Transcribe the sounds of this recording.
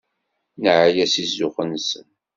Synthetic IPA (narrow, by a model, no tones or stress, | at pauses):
nəʕajæsizːʊχənsən